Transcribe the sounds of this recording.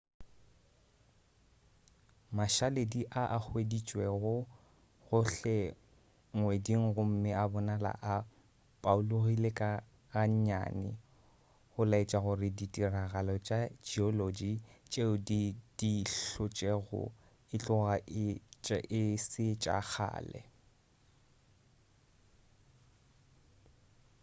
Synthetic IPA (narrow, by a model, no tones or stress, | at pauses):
maʃalediʔaʔak͡xwedit͡ʃʼwɛɣʊ | ɣʊɬɛ | ŋwediŋ̩ɣʊm̩mɪabɔnala̰ʔa | pʼauloɣilekʼa | ɣaɲ̩ɲa̰ːnɪ̰ | ɣʊlaet͡ʃʼaɣʊrɪditʼiraɣalɔt͡ʃʼad͡ʒiɔlod͡ʒit͡ʃʼeʊdid̥iɬʊt͡ʃʼɛɣʊ̰ | ɪt͡ɬʼʊɣaʔɪt͡ʃʼɛ̰ʔɪsɪt͡ʃʼa̰k͡xʰa̰ːlɛ̰